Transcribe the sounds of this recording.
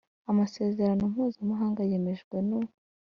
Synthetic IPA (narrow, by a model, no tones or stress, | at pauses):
amase̞ːze̞ɾano̞m̥uːzamaɦaːŋɡaje̞me̞ʒɡwe̞no